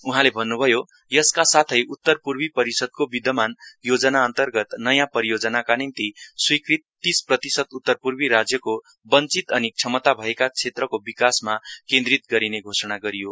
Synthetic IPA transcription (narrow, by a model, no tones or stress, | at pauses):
uɦãlebʱʌnːubʱʌjo | jʌskasat̪ʰʌjʔut̪ːʌrpurbipʌɾisʌd̪̚kobid̪ʌmanjod͡zʌnaʌnt̪ʌrɡʌt̪nʌjãpʌɾijod͡zʌnakanint̪iswikrit̪ːisprʌt̪isʌd̪ut̪ːʌrpurbiɾad͡zjʌko | bʌnt͡sit̪ʌnik̚t͡sʰʌmʌt̪abʱʌekat͡sʰet̪rʌkobikasmakẽnd̪rit̪̚ɡʌɾineɡʱosʌɽ̃aɡʌɾijo